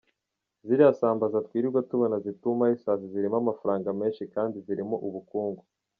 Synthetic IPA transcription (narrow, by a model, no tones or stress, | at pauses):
ziɾiasaːmbazatkwiːɾiɾɡwatuβonazitumaisaːziziɾimamafaɾaːŋɡame̞ːnʃikaːndiziɾimoʔuβukuːŋɡu